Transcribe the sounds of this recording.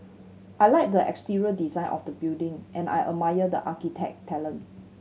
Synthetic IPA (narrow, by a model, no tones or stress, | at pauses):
ʔajlaɪk̚dəʔɛ̰kstiɹiədizãj̃nʔɔ̰fdəbildɪ̃ŋʔɛ̃na̰jʔəmajədə̰ʔakitʰɛ̰k̚tʰɛlə̃n